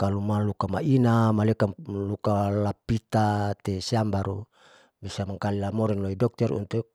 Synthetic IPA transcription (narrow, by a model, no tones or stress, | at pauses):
kalumalukamaʔinamalekalukalapit̪at̪esiambaɾṵ | bisamaŋkalilamoɾɛnloidɔk̚t̪ɛɾṵnt̪u